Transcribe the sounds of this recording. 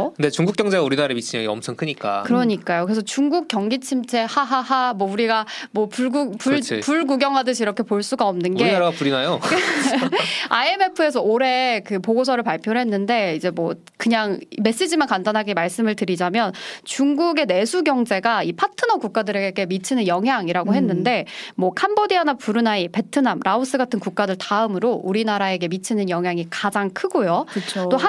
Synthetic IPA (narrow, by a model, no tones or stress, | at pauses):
kɯnde̞t͡ɕuŋɡuk͈jʌŋd͡ʑeauɾinaɾemit͡ɕʰiɲaɡiʌmt͡ɕʰʌŋkʰɯɲik͈a̰kɯɾʌɲik͈ajokɯɾesʰʌt͡ɕuŋɡuk̚k͈jʌŋɡit͡ɕʰimt͡ɕʰe̞haɦaamwʌuɾiɡamwʌpuɭɡupupuɭɡuɡjʌŋɦwadɯɕʰiɾʌkʰe̞poɭs͈uɡaʌmnɯnɡeiaɾaɡapuɾinajok | aeme̞pʰɯe̞sʰʌoɾe̞kɯpoɡosʰʌɾɯɭpaɭpʰjoɾɦe̞nːɯnde̞id͡ʑe̞mwʌ | kɯɲaŋime̞s͈ed͡ʑimankandanɦaɡimaɭs͈ɯmɯɭtɯɾid͡ʑamjʌnt͡ɕuŋɡuɡe̞ne̞sʰuɡjʌŋd͡ʑe̞ɡaipʰatʰɯnʌkuk̚k͈adɯɾe̞ɡeɡe̞mit͡ɕʰinɯnjʌŋɦjaŋiɾaɡoɦe̞nːɯnde̞mwʌkʰambodianapuɾɯnaipe̞tʰɯnamɾʔaus͈ɯɡatʰɯnkuk̚k͈adɯɭtaɯmɯɾouɾinaɾae̞ɡe̞mit͡ɕʰinɯnjʌŋɦjaŋikad͡ʑaŋkʰɯɡojokɯt͡ɕʰot͈oa